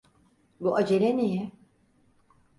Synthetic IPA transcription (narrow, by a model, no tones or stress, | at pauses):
buʔad͡ʒeɾenijɛ